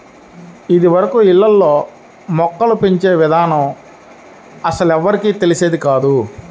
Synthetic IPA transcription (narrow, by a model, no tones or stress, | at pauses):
id̪iʋɐɾɐkuilːɐlːoː | mɔkːɐlupiɲt͡ʃe̞ːʋid̪ʱaːnɐm | ɐsɐlɛʋːɐɾikiːt̪e̞lise̞ːd̪ikaːd̪u